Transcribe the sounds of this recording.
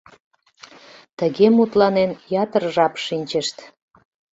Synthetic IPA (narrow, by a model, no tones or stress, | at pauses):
t̪əɣemut̪lɑnenjɑt̪ərʒɑpʃinʲt͡ɕəʃt̪